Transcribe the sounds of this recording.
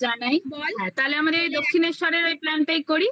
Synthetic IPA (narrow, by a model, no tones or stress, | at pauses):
d͡ʒanajbɔɦɛ̃t̪aleamad̪eojd̪okʰːineɾʃɔɾeɾojplɛnʈajkoɾi